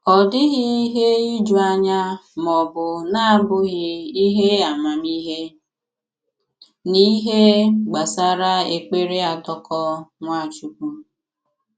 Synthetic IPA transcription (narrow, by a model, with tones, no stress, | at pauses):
ɔ˨dɪ˦ɣɪ˦i˦ɦe˦i˦d͡ʒu˨a˦ɲa˦mɔ˨bʊ˨na˦bʊ˦ɣɪ˦i˦ɦe˦a˨ma˨mi˦ɦe˦ | ni˦ɦe˦ɡ͡ba˨sa˦ɾa˦e˨k͡pe˦ɾe˦a˨tɔ˦kɔ˦ŋʷa˦˨t͡ʃu˦ku˦